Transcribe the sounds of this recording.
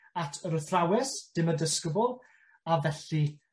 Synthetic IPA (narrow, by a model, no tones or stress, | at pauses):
atʰəɾəθrawɛsd̥ɪmədəskəbʊlˠ | avɛɬi